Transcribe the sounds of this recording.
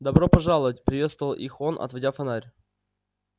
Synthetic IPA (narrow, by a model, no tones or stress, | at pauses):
d̪ɐbɾopɐʐalˠəvətʲpɾʲɪvʲe̞t̪st̪vəvəlˠʔixonʔɐ̰t̪vɐdʲafɐnaɾʲ